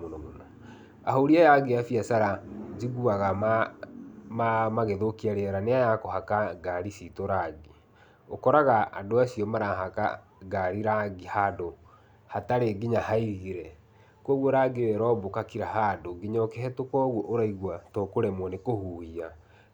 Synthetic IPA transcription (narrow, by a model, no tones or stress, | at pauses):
monɔmona | aɦoɾiajaɡeafiasaɾaziɣuaɣam | mamaɣeðokiaɾeɛɾaneajakohakaɡaɾisitoɾaɡi | okɔɾaɣaʔa̰doasiɔmaɾaɦaka̰ | ɡaɾiɾaɡihado | hataɾeɡiɲahaiɾiɾɛ | kwɔɣwɔɾaɡeɾɛɾɔbokakiɾahadoɡiɲɔkɛɦɛtokɔɣwɔʔoɾaiɣwatɔkoɾɛmwɔnekohuːhia